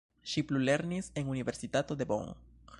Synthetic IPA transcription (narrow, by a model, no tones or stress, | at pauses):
ʃiplule̞ɾnise̞nunive̞ɾsitato̞d̪e̞bo̰ŋ